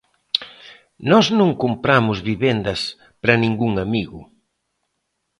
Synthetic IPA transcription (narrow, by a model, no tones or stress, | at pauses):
nɔznõŋkumpɾamʊzβiβend̪ɐs | pɾɐnĩŋɡuŋamiɣʊ